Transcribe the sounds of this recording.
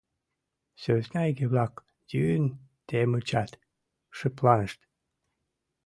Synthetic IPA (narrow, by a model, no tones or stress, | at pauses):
søznæɡeβlɑk | jynt̪emət͡ɕɑt̪ | ʃəplɑnəʃt̪